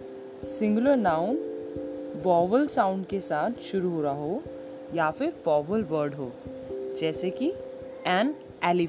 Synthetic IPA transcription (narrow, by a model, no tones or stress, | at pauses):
sɪ̃ŋɡʊləɾnaːʊn | ʋɔːʋəlsaːʊ̃ɳɖkesaːt̪ʰʃʊɾuɦoːɾaɦoː | jaːfɪɾʋɔːʋəlʋəɾɖɦoː | d͡ʒɛːseki | ɛːn | ɛːli